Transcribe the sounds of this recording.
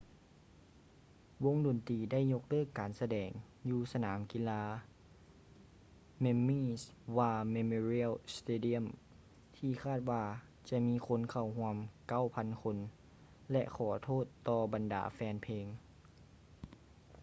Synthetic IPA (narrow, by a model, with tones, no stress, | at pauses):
wo˧˥ŋdo˨nt̪iː˨˧da˥˩˨jɲo˧k̚lɤː˥˩kːaː˨˩nsa˧dɛː˨˩ŋ | juː˧sa˧naː˩˨˦mki˧˥laː˧ | me˧miː˧˥˩swaː˧me˧mo˧ɾi˧˥˨lst̪eː˧di˧ə˨m | t̪ʰiː˧˩kʰaː˥˩t̪̚waː˧ | t͡ɕa˧miː˧˥kʰo˧˥nkʰa˧˩wɦu˧˥əmka˥˩˨wpʰa˧˥nkʰo˧n | lɛ̰˧ʔkʰɔː˨˩t̪ʰoː˥˩t̪ːɔː˧ba˨nda̰ː˨˩˦fɛː˧npʰeː˧ŋ